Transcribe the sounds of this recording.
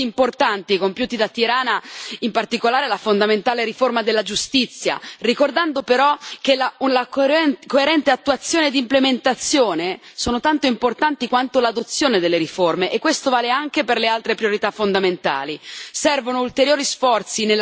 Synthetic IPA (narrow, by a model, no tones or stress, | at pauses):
iimport̪ant̪ikompjuːt̪id̪at̪ːiɾaːnaimpart̪ikolaːɾelafond̪ament̪aːleɾiformad̪elːad͡ʒust̪it̪sːja̰rikord̪and̪opeɾɔk̟elalakkoeɾɛnt̪eat̪ːuat̪sːjoːned̪implement̪at̪sːjoːnesoːnot̪ant̪oimport̪ant̪ikwant̪olad̪ot̪sːjoːned̪elːeɾiformeʔekːwest̪ovaːleaŋkeperlealt̪ɾepɾijoɾit̪afond̪ament̪a̰ːlisɛrvonoult̪eɾjoːɾisfɔrt̪sinel